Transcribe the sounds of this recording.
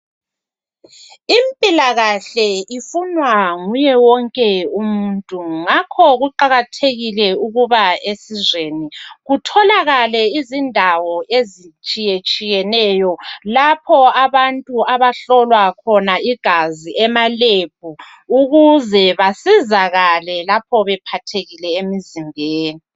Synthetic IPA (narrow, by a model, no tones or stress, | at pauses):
impʼilaɣaɬɛifunwaŋujɛwɔŋkʼɛumuntʼuŋakʰɔɣuǃaɣatʰeɣilɛuɣuβaesizweːniɣutʰɔlaɣalɛizindʱawɔʔezit͡ʃʼijet͡ʃʼijɛnɛjɔlapʰɔaβantʼuaβaɬɔlwakʰɔnaiɡ̥ʱaziʔɛmaleb̥ʱu | uɣuzɛβasizaɣalɛlap̚ʰɔβɛpʰatʰeɣilɛemizimbʱeːni